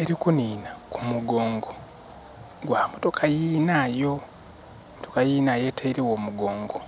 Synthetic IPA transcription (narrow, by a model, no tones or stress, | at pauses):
e̞ɾikuniːnakumuɡo̞ːŋɡo | ɡwaːmoto̞kʰajiːnaːjo̞ | motokajiːnaje̞ːtaiɾiwo̞ːmuɡo̞ːŋɡo